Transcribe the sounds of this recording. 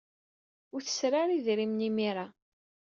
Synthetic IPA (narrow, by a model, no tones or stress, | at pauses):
ʊɾθə̥sɾaɾiðɾimnimiɾa